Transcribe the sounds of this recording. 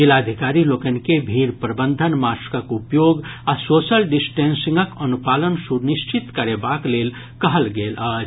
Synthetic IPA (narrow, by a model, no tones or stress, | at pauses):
d͡ʒilad̪ʱikaɾilokənkebʱiɾpɾəbənd̪ʱənmaskəkupjoɡasosəlɖisʈensĩŋɡəkənupalənsuɾnist͡ʃit̪kəɾebaklel | kəɦəlɡelət͡ʃʰ